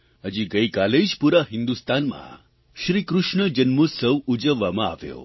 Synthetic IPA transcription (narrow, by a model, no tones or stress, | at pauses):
əd͡ʑiːɡəjkaled͡ʑpuɾaɦind̪ust̪anma̰ | ɕɾiːkɾuʂɳəd͡ʑənmusəʋud͡ʑəʋamaa̰ʋjo̰